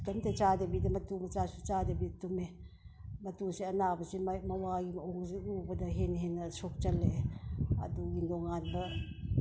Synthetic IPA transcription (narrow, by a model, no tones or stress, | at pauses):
tɐmtet͡ʃadɐbidɐmɐtumɐt͡ʃasut͡ʃadɐbitume | mɐtusiɐnabɐsimmɐwaɡimɐoŋziubɐdɐɦenɦenːɐsok̚t͡ʃɐlːeɐ̰duɡindoŋanbɐ